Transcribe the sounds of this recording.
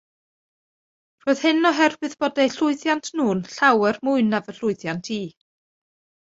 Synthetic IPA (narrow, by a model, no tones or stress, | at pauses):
r̥oːɨð̥hɨnɔɦɛrvɨðb̥oːdajɬʊɨθjantʰnuːnɬawɛrmʊɨnavəɬʊɨθjantʰiː